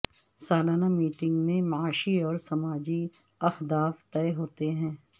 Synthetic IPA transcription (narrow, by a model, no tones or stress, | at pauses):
saːlaːnamiːʈɪ̃ŋɡmẽmɐaːʃiɔːɾsɐmaːd͡ʒi | ɐfd̪aːft̪ɛːɦoːt̪eɦɛ̃ː